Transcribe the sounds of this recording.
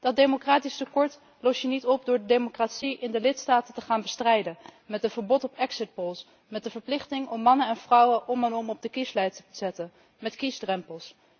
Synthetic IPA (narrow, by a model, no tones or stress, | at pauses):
d̥ɑt̚demokraːtistəkɔɹt | lɔsjənitɔp̚dʊːɹdədemokratsiʔɪndəlɪtstaːtətəχaːnbəstrɛjdəmɛtətvəɹbɔtɔpɛksɪt̚polˠs | mɛt̚dəvəɹplɪχtɪŋɔmːɑnənɛnvrʌwəʔɔmɛnɔmɔb̚dəkislɛjtəbəz̥ɛtən | mɛtkizdrɛmpəlˠs